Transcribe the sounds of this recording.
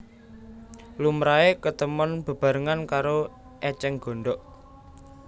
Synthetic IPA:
lumɾaekət̪əmɔnb̥ə̤b̥a̤ɾəŋankaɾo | ʔɛt͡ʃɛŋɡ̥o̤ɳɖɔʔ

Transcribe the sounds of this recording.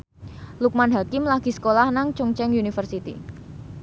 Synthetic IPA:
luk̚manɦakɪmlaɡ̥i̤sə̥kolahnaŋt͡ʃuŋt͡ʃɛŋjunifərsit̪ḭ

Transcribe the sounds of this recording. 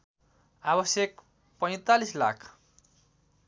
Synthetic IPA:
abʌsjek | pʌj̃t̪alisla̰kʰ

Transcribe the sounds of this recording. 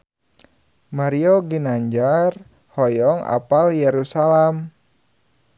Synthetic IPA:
maɾioɡinaɲd͡ʒar | hɔjɔŋa̰paljeɾusalɛm

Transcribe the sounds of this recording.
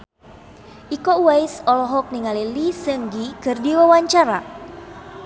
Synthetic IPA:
ʔikɔwajsɔlɔɦɔk̚niŋalilisəŋɡikɨrdiwawaɲt͡ʃaɾa̰

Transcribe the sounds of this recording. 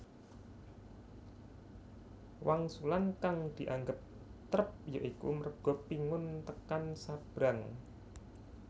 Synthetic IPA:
waŋsulankaŋd̪̥i̤ʔaŋɡəp̚ | t̪ɾəp̚joʔikṵməɾəɡ̥ɔ̤piŋʊnt̪əkansab̥ɾaŋ

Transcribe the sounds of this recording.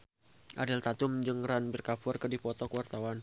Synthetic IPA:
ʔadɪlt̪at̪ʊmd͡ʒɨŋranbirkafʊrkɨdipɔt̪ɔkəwart̪awan

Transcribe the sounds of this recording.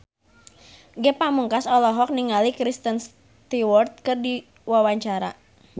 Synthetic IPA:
ɡɛpamuŋkasɔlɔɦɔk̚niŋalikɾist̪əns | t̪iwɔrt̪̚kərdi | wawaɲt͡ʃaɾa̰

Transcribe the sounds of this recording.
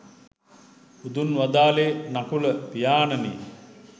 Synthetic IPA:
ud̪unʋad̪aːlenakuləpijaːnənḛ

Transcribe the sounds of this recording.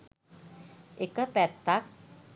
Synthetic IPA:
ʔikəpɛt̪ak̚

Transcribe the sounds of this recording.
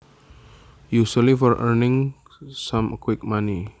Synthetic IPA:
jusəlifɔɹʔəɹnɪ̃ŋ | sãmkwɪk̚mãni

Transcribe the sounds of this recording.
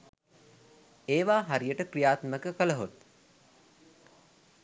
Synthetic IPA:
eːʋaːɦaɾijəʈəkrijaːt̪məkəkələɦot̪̚

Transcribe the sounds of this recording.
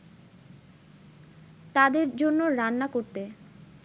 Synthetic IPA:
t̪ad̪eɾd͡ʑonːoɾanːakoɾt̪e

